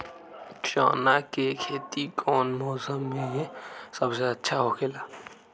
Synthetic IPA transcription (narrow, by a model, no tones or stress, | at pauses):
t͡ʃa̰ːnakekʰeːt̪ikʰɔːnmɔːsəmːẽɦẽsəbseɐtːʃʰaɦokʰelaː